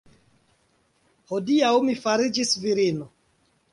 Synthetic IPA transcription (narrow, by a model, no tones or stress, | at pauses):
hodiawmifaɾid͡ʒisviɾino